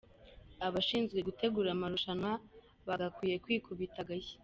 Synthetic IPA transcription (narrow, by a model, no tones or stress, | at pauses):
aβaʃiːnzɡwe̞ɡute̞ɡuːɾamaɾuʃana | βaɡakwiːje̞kwiːkuβitaɡaje̥